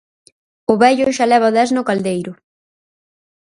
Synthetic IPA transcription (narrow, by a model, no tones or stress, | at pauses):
ʊβɛʎʊʃalɛβaðɛznʊkald̪ejɾʊ